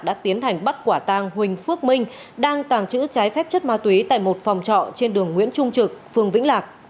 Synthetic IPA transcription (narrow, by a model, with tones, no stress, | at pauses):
k̚ɗa̰ː˧˥t̪i˨˦ənɦa˨˩jŋ̟ɓa˦˥t̚kwaː˧˩t̪aː˧ŋɦwï˨˩ŋ̟fɨ˦˥ək̚mï˧ŋ̟ɗaː˧ŋt̪aː˧˩ŋt͡ɕɨ̰˧˥t͡ɕaː˨˦jfɛ˦˥p̚t͡ɕə˦˥t̚maː˧t̪wi˨˦t̪a̰ː˧˨jmo˨˩t̚fa˨˩wŋ͡mt͡ɕɔ̰˧˨t͡ɕe˧nɗɨ˨˩əŋːwḭ˧˥ənt͡ɕʊ˧ŋ͡mt͡ɕɨ˨˩k̚fɨ˧˩əŋvḭ˧˥ŋ̟laː˨˩k̚